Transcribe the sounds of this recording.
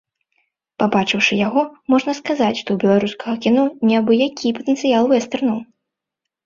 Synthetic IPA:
pabat͡ʂɨwʂɨjaɣɔmɔʐnɐskazat͡sʲʂt̪ɔwbʲɛlˠaɾuskɐɣɐkʲinɔnʲɛbɨjakʲʰipɐt̪ɛnt̪sɨjalˠvɛst̪ɛrnɐw

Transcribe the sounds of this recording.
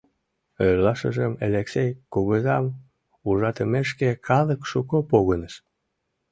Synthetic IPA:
øɾlɑʃə̰ʒəmḛleksejkuɣəzɑm | uʒɑt̪əmeʃkekʰɑləkʃukopoɣənəʃ

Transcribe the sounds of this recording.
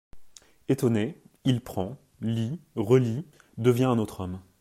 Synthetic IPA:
et̪ɔne | ilpχɑ̃ | liʁəli | d̪əvjɛ̃ɛ̃not̪χɔm

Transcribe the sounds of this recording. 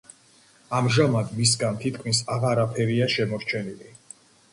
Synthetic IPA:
amʒamad̪mis̬ɡant̪ʰit̪̚ʰkʰmisaʁaɾapʰɛɾiaʃɛmɔɾt͡ʃʰɛnili

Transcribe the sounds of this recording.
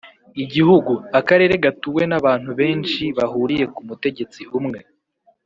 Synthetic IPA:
iɟihuɡuakaɾe̞ːɾe̞ɡatuwe̞naβaːn̥huβe̞ːnʃiβahuɾije̞kumute̞ɟe̞t͡siumŋe̞

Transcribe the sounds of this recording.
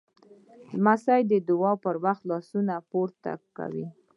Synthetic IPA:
lmasajd̪əd̪ʊwɑpəɾwaxt̪lɑsunapoɾt̪a̰kːa̰wi

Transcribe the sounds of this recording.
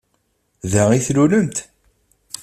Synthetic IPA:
ðæʁiθluləmt̪

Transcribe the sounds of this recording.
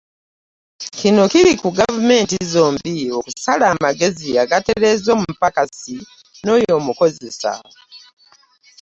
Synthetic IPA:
kino̞kiɾikuɡavume̞ːntizoːmbiokusalaːmaɡe̞ziaɡate̞ɾe̞zo̞ːmupakasi | no̞ːjo̞ːmuko̞ze̞sa̰

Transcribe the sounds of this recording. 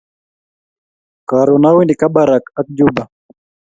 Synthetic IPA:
kaɾɔnawindikaɓaɾakak̚d͡ʒuba

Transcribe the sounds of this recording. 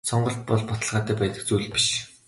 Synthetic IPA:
sɔɴɢɞ̆ɬt̪̚pɔɮpɔt̪ə̆ɮʁaːt̪æːpæːt̪ə̆k̚t͡suːɮpi̥ʃ

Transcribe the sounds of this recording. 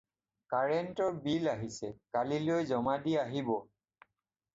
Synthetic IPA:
kaɹɛntɔɹbilaɦisɛkalilojzɔmadiaɦibɔ

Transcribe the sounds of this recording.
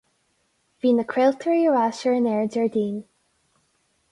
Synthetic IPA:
viːnəkʰɹelˠt̪ʰəɹjəɹasəɹənɛɹd͡ʒɛɹdiːn

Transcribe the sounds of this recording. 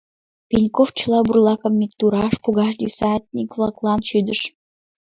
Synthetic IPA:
pʲenʲkoft͡ɕəlˠɑburlˠɑkə̆mːʲik̚t̪uɾɑʃpuɣɑʃ̬d̪ʲisɑt̪ʲnʲikvlˠɑklˠɑnʃyd̪əʃ

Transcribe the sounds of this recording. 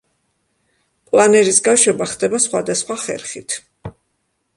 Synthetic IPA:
pʼlˠanɛɾisɡaʃwɛbaχd̪ɛbasχwad̪asχwaχɛ̰ɾχit̪ʰ

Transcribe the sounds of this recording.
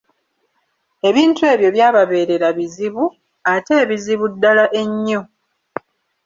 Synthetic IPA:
e̞βiːntue̞ːβjo̞βjaːβaβe̞ːɾe̞ɾaβiziβu | ate̞ːβiziβudːalaʔe̞ɲːo̞

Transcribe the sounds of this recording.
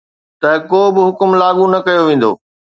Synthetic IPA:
t̪ɐkoːbɪɦʊkʊmlaːɠunɐkɐjoʋẽːn̆d̪o̰ː

